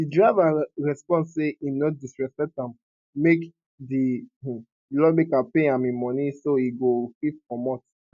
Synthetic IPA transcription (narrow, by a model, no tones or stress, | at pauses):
didɹaɪvaɹɛspɔ̃nseimnɔt̚disɹɛsɛtãm | mek | di | lɔbikapeãmĩmɔ̃nisoiɡofitkɔmɔt